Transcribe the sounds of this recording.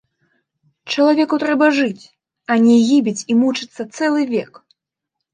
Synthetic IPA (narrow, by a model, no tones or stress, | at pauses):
t͡ʂɐlˠavʲɛkut̪ɾɛbɐʐɨt͡sʲ | ɐnʲɛɣʲibʲit͡sʲimut͡ʂɨt̪sːɐt̪sɛlˠɨvʲɛk